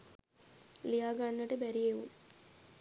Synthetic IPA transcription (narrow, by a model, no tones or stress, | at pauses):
lijaːɡaːɳːɐʈebæɾijeʋṵm